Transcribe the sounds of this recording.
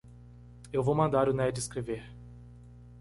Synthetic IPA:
ewvowmɐ̃nd̪aɾʊnɛd͡ʒɪskɾeveɾ

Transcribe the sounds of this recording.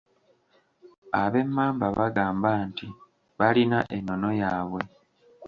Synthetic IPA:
aβe̞mːaːmbaβaɡaːmbanti | βalinaʔenːo̞no̞jaːβwe̞

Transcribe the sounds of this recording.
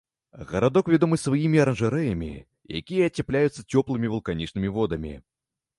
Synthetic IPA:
ɣɐɾad̪ɔkvʲad̪ɔmɨsvajimʲiɐɾɐnʐɨɾɛjɐmʲḭ | ja̰kʲijɐːt͡sʲɛplʲajut̪sːɐt͡sʲɔplˠɨmʲivulˠkanʲit͡ʂnɨmʲivɔd̪ɐmʲḭ

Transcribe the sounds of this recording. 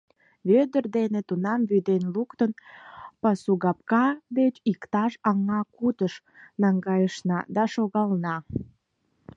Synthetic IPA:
βød̪ərd̪enet̪unɑmβyd̪enlukt̪ənpɑsuɣɑp̚kɑd̪et͡ɕikt̪ɑʃɑŋɑkut̪əʃ | nɑŋɡɑjəʃnɑ̰d̪ɑʃoɣɑlnɑ

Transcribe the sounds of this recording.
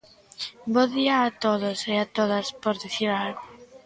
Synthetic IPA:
boðiaːt̪oðoseat̪oðaspoɾðiθiɾalɣo

